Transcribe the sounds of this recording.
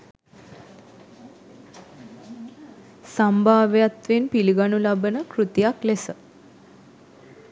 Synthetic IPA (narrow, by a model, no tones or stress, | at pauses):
sambʱaːʋjat̪ʋenpiliɡanulabənəkɾut̪ijaklesə